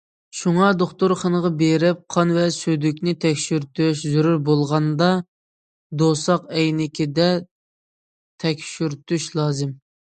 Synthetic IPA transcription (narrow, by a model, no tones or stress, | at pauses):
ʃuŋɑd̪oχt̪ʊɾχənəʁɑbeɾɪp̚qʰɑnvɛsyd̪ykʲnɪt̪ʰɛkʲʃyɾt̪yʃzyɾuɾbolˠʁɑnd̪ɑ | d̪osɑqɛjnɪkʲʰid̪ɛ | t̪ʰɛkʲʃyɾt̪ʰyʃlˠɑːzɪm